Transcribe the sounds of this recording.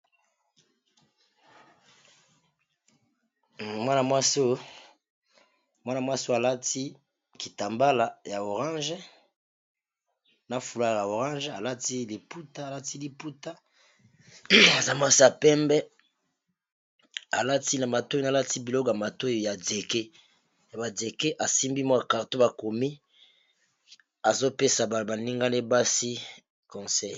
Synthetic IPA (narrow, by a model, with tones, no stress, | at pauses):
mwa˦na˨mwa˦so˦ | mwa˦na˨mwa˦so˦a˨la˦tʰi˦ | ki˨ta˨mba˦la˨ja˨o˨ʁã˦nʒɛ˦ | na˦fu˨la˦˨ja˨o˨ʁã˦nʒa˨la˦ti˦li˨pu˦ta˦a˨la˦ti˦li˨pu˦ta˦ | a˨za˦ma˦si˦a˨pɛ˦mbɛ˦ | a˨la˦ti˦na˨ma˨to˦na˦la˦ti˦bi˨lo˦kja˨ma˨to˦˨ja˨de˨ke˦ | ja˨ba˨de˨ke˦ʔa˨si˦mbi˦mɔ˦ja˨ka˨ʁto˦ba˨ko˨mi˦ | a˨zo˦pe˦sa˨ba˨ba˨ni˦ŋɡa˦ne˦ba˦si˦ | kɔ̃˨sɛ˦˨j